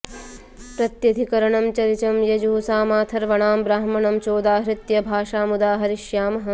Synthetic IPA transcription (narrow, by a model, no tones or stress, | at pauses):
pɾɐt̪jɐd̪ʱikɐɾɐɳɐmt͡ʃɐɾit͡ʃɐmjɐd͡ʒusaːmaːt̪ʰɐɾʋɐɳaːmbɾaːɦmɐɳɐmt͡ʃoːd̪aːɦɾɪt̪jɐbʱaːʃaːmud̪aːɦɐɾiʃjaːmɐɦɐ̆